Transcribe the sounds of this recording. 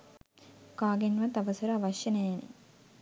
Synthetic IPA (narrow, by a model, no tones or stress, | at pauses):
kaːɡenʋat̪aʋəsəɾəaʋɐʃjənejanḛ